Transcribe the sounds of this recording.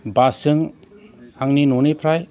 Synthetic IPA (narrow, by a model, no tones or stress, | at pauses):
basɯŋ | haŋninunipʰɾaj